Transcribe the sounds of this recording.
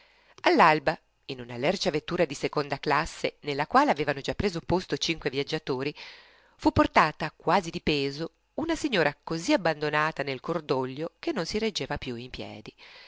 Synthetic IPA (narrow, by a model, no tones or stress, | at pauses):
alːalba | inunalɛrt͡ʃavet̪ːuːɾad̪isekond̪aklasːenelːakwaːleaveːvanod͡ʒapːɾeːzopost̪ot͡ʃiŋkwevjad͡ʒːat̪oːɾi | fupːort̪aːt̪akwaːzid̪ipɛːzo | unasiɲːoːɾakoziabːand̪onaːt̪anelkord̪oʎːok̟enːonsiɾed͡ʒːeːvapjuimpjɛ̰ːd̪i